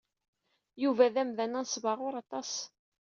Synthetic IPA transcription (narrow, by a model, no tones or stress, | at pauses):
juvæðæmðænænsˤvɑʁʊɾɑt̪ˤɑs